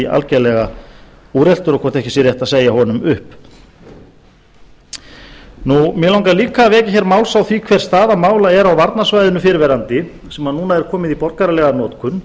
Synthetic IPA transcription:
a̰lcɛlɛɣa | uːɾɛl̥t̪ʏɾɔkʰɔɾt̪ɛhcɪsɛɾjɛht̪aðseːjahɔnʏmʏhp | numjɛlawŋkaliːkavɛːcɪçɛɾmaːwlsawθvikʰvɛr̥st̪aːðamaːwlaɛɾawvaɾt̪nasvajðʏnʏfɪɾɪɾvɛɾant̪ɪ | sɛmanuːnaɛɾ̥kʰɔːmɪðipɔɾkaɾalɛɣanɔːt̪kʰʏn

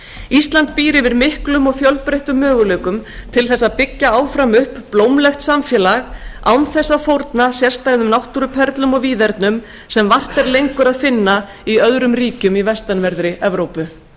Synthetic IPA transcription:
ist̪lant̪piːɾɪvɪðmɪhklʏmɔɣfjœlpɾejht̪ʏmːœːɣʏleːkʏmt̪ʰɪlθɛsːapɪcːaaːwfɾamʏhpplowmlɛxt̪samfjɛlaɣa̰wnθɛsːafowɾt̪nasjɛr̥st̪ajɣðʏmnawht̪uɾʏpʰɛɾt̪lʏmɔɣviːðɛɾt̪nʏm | sɛmvar̥t̪ɛɾlejŋkʏɾaðfɪnːa | iœðɾʏmriːcʏmivɛst̪anvɛɾðɾɪʔɛvɾowpʏ

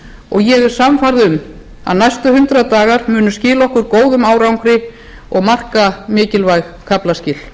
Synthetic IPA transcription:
ɔɣjɛɣɪɾ̥samfaɾðʏm | a̰ðnajst̪ʏhʏnt̪ɾaðt̪aːɣaɾmʏːnʏscɪːlaɔhkʏɾkoːwðʏmaːwɾawŋkɾɪ | ɔɣmar̥kamɪːcɪlvajɣkʰaplascɪl

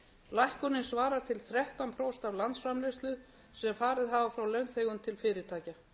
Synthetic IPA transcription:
lajhkɔnːɪnsvaːɾaɾt̪ʰɪlθɾɛht̪anpʰɾowst̪avlant̪sfɾamlɪst̪lʏ | sɛmfaːɾɪðɦaːvafɾawlœɥnθejɣʏnt̪ʰɪlfɪːɾɪɾt̪ʰaːca

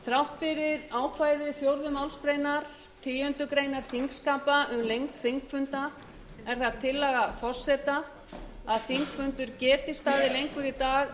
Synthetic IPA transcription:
θɾawht̪fɪɾɪɾaːwkʰvaːjðɪθjowɾðʏmawlskɾeːjnaɾ̥ | t̪ʰiːjœnt̪ʏkɾeːjnaɾ̥θiŋkskampaʔʏmlejŋt̪θeŋkfʏnt̪a | ɛɾ̥θaðt̪ʰːɪlːɛːɣafɔr̥sɛt̪a | aðθiŋkfʏnt̪ʏɾcɛːɾt̪ɪst̪aːðɪlejŋkʏɾit̪aːɣ

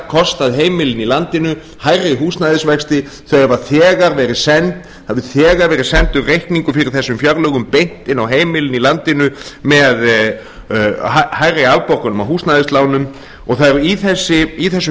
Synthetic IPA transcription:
kʰɔst̪aðɦeːjmɪlɪnilant̪ɪnʏ | hajraɦuːst̪naðɪsvɛkst̪ɪ | θœɛvaθɛːɣaɾvɛːɾɪsɛnt̪ | havðɪθɛːɣaɾvɛːɾɪsɛnt̪ʏrrejhkniŋkʏfɪɾɪɾ̥θɛsːʏmfjaɾlœɣʏmpejn̥t̪ɪnawɦeːjmɪlɪnilant̪ɪnʏmɛð | ahajɾaalpɔrkanʏmawɦuːst̪naðɪst̪laːwnʏm | ɔɣθaðɛɾiθɛsːɪiθɛsːʏ

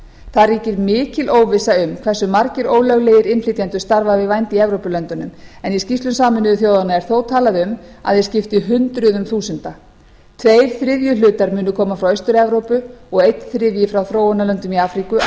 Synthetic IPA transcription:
θariːcɪɾmɪːcɪlʔoːwvɪsaʏmkʰvɛsːʏmaɾcɪɾoːwlœɣleːjɪɾɪnflɪt̪jant̪ʏst̪aɾvavɪðvajnt̪iɛvɾowpʏlœnt̪ʏnʏmɛniscist̪lʏnsaːmʏnʏʏθjoːwðanaɛɾ̥θoːwt̪ʰaːlaðɪʏma̰ðjɛscɪft̪ɪɦʏnt̪ɾʏðʏmθuːsʏnt̪a | t̪ʰveːjɾ̥θɾɪvjʏlʏːt̪aɾmʏːnʏkʰɔːmafɾawest̪ʏɾɛvɾowpʏɔɣejt̪θɾɪðjɪfɾawθɾoːwanalœnt̪ʏmiafɾikʏ

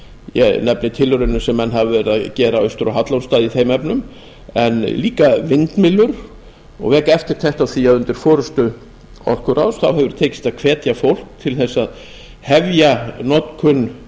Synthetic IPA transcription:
jɛ̰nɛpnɪt̪ʰɪlʏɾʏnʏsɛmːɛnːɦavɪvɛɾɪðacɛːɾaœst̪ʏɾɔɦat̪lawnst̪aːðiθeːjmɛpnʏm | ɛnliːkavɪnt̪mɪlːʏɾ | ɔ̰ɣvɛːkaɛft̪ɪɾ̥t̪ʰɛht̪awθiaðʏnt̪ɪɾ̥fɔːɾʏst̪ʏ | ɔ̰r̥kʏɾa̰wsθawɦɛvʏɾ̥t̪ʰeːjcɪ̥st̪aðkʰvɛːt̪jafowl̥k̚t̪ʰɪlθɛsːað | hɛvjanɔt̪kʰʏnː

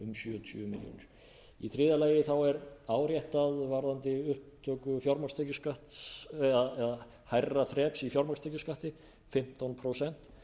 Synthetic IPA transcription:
ʏmsjʏːt̪ʰʏ̰mɪ̰ljo̰nɪ̰ɾ̥ | iθɾɪːðalaːjɪθawɛɾaːwɾjɛht̪aðvaɾðant̪ɪʏhpt̪ʰːœːkʏfjɔɾmakst̪ecʏskaht̪ɛðaɛða | hajrːaθɾɛːpsifjɔɾmakst̪ɛjcʏskaht̪ɪ | fɪm̥t̪awnpʰɾosɛn̥t̪

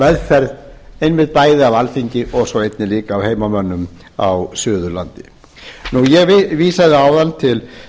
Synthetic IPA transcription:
vɛðfɛɾðejnmɪt̪̚paːjðɪavalθiɲcɪʔɔɣsɔwejt̪nɪliːkaːwhejmamœnːʏm | awsʏːðʏla̰nt̪ɪ | nujɛɣviːsaðɪaːwðant̪ʰɪl

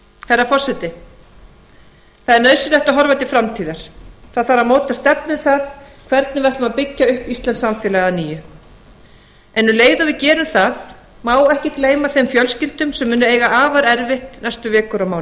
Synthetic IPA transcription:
hɛɾːafɔrsɛt̪ɪ | θaðɛɾnœːɥsʏlɛht̪aɦɔɾvajt̪ɪfɾamt̪ʰiːðaɾ̥θaðθaɾamoːwt̪ast̪ɛpnʏθaðkʰvɛɾt̪nɪvajht̪lʏmaðpɪcːaʏhpist̪lɛnsamfɛːlɛɣaniːjʏ | ɛnːʏleːjðʏvɪðcɛːɾʏmθað | maːwɛhcɪkleːjmaθejmfjœlscɪlt̪ʏmsɛmːʏːnʏeːjɣaʔaːvaɾɛɾvɪht̪nɛst̪ʏvɛːkʏɾawmaːw̪

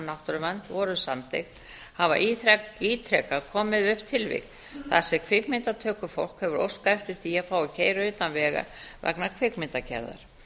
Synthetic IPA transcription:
nawht̪ʏɾʏvant̪vɔɾʏsamθḛknhava̰ʔiːt̪ʰɾɛkakʰɔːmɪðʏhpt̪ʰɪlvɪ̰k | θasɛɣkʰvɪkmɪnt̪at̪ʰœːkʏfo̰wl̥khɛvʏɾo̰wskaɛft̪ɪɾ̥θiaðfaːwɪcʰeːjɾʏʏːt̪anvɛːɣa̰vɛ̰knakʰvɪkmɪnt̪acʰɛ̰ɾða̰ɾ̥

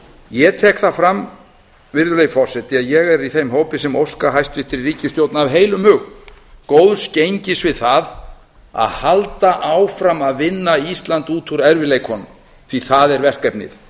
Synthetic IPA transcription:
jɛt̪ʰɛːkθafɾam | vɪɾðʏleːjfɔr̥sɛt̪ɪaðjɛɣɛɾiθejmɦoːwpɪsɛmowskaɦajst̪vɪht̪ɪɾiriːcɪst̪jowt̪naavɦeːjlʏmhʏɣnkowðscejɲcɪsvɪðθað | a̰ðhalt̪aʔawfɾamaðvɪnːaist̪lant̪uːt̪ʰuɾɛɾvɪlejkhɔnːʏm | θiθaðɛɾvɛr̥kɛpnɪ̰θ

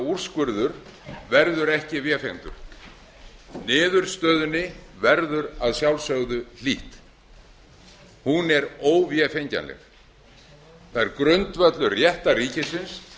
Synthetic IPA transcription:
ur̥skvʏɾðʏɾvɛɾðʏɾɛhcɪvjɛfejŋnt̪ʏ̰ɾ̥ | nɪːðʏɾ̥st̪œːðʏnːɪvɛɾðʏɾaðsjawlsœɣðʏl̥iːht̪ | hunɛɾoːwvjɛfejɲca̰nlɛ̰ɣ | θaːɛɾkɾʏnt̪vœt̪lʏrjɛht̪ariːcɪsɪns

